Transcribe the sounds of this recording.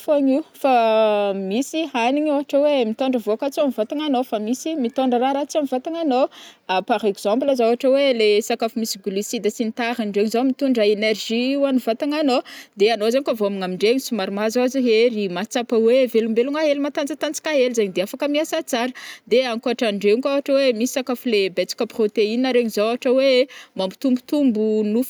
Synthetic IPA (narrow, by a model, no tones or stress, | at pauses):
faɲiwfamisianiɲoaʈ͡ʂəwemit̪oɳɖ͡ʐəvoakat͡siamivat̪aŋanofamisimit̪oɳɖ͡ʐəɾaɾat͡siamivat̪aŋanoapaɾekz̥ãmblazaoaʈ͡ʂəwelesakafumisiɡulisid̪asinit̪aɾaɳɖ͡ʐeɲizomit̪uɳɖ͡ʐaenerʒiwanuvat̪aŋanod̪eanozaɲkavoamiŋamiɳɖ͡ʐeɲisumaɾmazaziɦeɾimat͡sapəwevelumbeluŋaɦelimat̪ant͡sat̪ant͡si̥kʲaɦelzaɲid̪eafakəmiasat͡saɾəd̪eaŋkoaʈ͡ʂaɳɖ͡ʐeuŋkawaʈ͡ʂəwemisi̥sakafulebet͡si̥kʲəprot̪einaɾeɲizawaʈ͡ʂəwemambut̪umbut̪umbunuf